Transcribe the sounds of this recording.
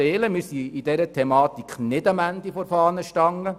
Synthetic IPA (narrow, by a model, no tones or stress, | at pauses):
eːləmɪɾsiid̥ɛɾətʰɛmɑːt̪ikχnɪdɑmænd̪ifɔɾfɑːnəʃtɑŋːə